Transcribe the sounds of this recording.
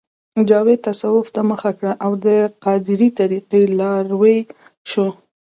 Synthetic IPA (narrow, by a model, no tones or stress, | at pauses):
d͡ʒɑwed̪̚t̪ːasawʊft̪aməxakɽaʔawd̪əqɑd̪ɪɾit̪aɾiqilɑɾwej | ʃo